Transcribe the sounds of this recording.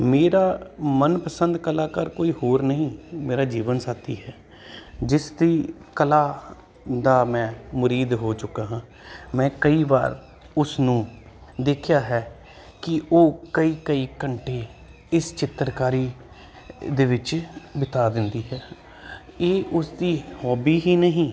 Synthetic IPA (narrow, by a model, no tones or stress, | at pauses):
meːɾaːmənpəsənd̪kəlaːkəɾkoːiːɦoːɾnəɦĩːmeːɾaːd͡ʒiːʋənsaːt̪ḭːɦɛː | d͡ʒɪsd̪iːkəlaː | d̪aːmɛ̃ːmʊɾiːd̪ɦoːt͡ʃʊkːaːɦãː | mɛ̃ːkəiːba̰ːɾ | ʊsnũː | d̪eːkʰjaːɦɛː | kɪʔoːkəiːkəiːkəɳʈeː | ɪst͡ʃɪt̪əɾkaːɾiː | d̪eːʋɪt͡ʃbɪt̪aːd̪ɪnd̪iːɦɛː | eːʔʊsd̪iːhɔːbiːɦiːnəɦĩː